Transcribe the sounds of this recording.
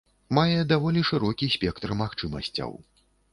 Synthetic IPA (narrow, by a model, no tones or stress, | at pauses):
majɛd̪avɔlʲiʂɨɾɔkʲisʲpʲɛkt̪rmaxt͡ʂɨmɐ̰sʲt͡sʲɐ̰w